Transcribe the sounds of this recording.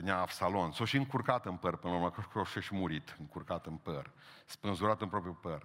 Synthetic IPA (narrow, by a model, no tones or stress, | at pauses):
nʲaːbsalonsoʃiɨŋkurkat̪ɨnpərpɨnlauɾmakoʃkuoʃeʃimuɾit̪ɨŋkurkat̪ɨnpər | spɨnzuɾat̪ɨnpɾopɾjupər